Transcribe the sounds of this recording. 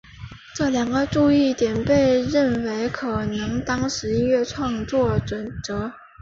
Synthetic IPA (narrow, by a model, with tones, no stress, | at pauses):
ʈ͡ʂɤ˥˩ljɑ˨˩ŋɡə˦ʈ͡ʂu˥˧i˥˩t̪jɛ˨˩npe˥˧ɪɻə˥˩nwe˧˥ɪkʰɤ˨˩nɤ˧˥ŋt̪ɑ˥ŋʂɻ̩˧˥i˥nɥɛ˥˧ʈ͡ʂʰwɑ˥˧ŋt͡swɔ˥˩ʈ͡ʂwə˨˩nt͡sɤ˧˥